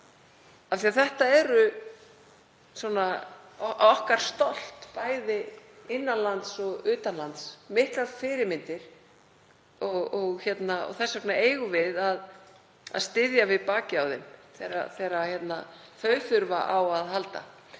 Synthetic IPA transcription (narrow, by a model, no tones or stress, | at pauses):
afθiaθɛht̪aɛɾʏ | swɔna | ɔhkaɾ̥st̪ɔl̥t̪paːjðɪɪnːanlant̪sɔɣʏːt̪anlant̪smɪht̪lafɪɾɪɾmɪnt̪ɪɾ̥ | ɔɣɔɣçɛt̪naɔ̰ɣθɛsːaknaeːjɣʏvɪðað | a̰ðst̪ɪðjavɪðpaːcɪawðɪ̰nθɛɾa̰θɛːɾaçjɛt̪na | θœɥθʏɾva̰ʔawaðɦalt̪a̰